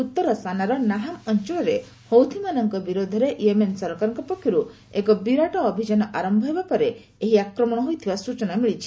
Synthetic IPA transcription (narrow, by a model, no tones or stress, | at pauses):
ut̪ːɔɾɔsanaɾɔnaɦamɔnt͡ʃɔɭɔɾe | howt̪ʰimanɔŋkɔbiɾod̪ʱɔɾeʔemensɔɾkaɾɔ̃ŋkɔpɔkʰjɔɾu | ekɔbiɾaʈɔːbʱid͡ʒanɔʔaɾɔmbʱɔɦebapɔɾe | eɦiakɾɔmɔɽ̃ɔɦojt̪ʰibasut͡ʃɔnamiɭit͡ʃʰi̥